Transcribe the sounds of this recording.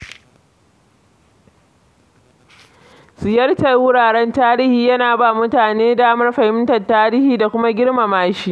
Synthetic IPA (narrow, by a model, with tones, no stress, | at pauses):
sɪ˨jɐ˦rta˦˨jwʊ˦ɽaː˨ɽɛ˦ntaː˦ɾiː˦hiː˨jɐ˦naː˨baː˦˨mʊ˦taː˨neː˦daː˦mɐ˦rɸɐ˨hɪ˦mtɐ˨taː˦ɾiː˦hiː˨da˨kʷʊ˦ma˦ɡʲɪ˦ɽma˨maː˦ʃiː˦ʔ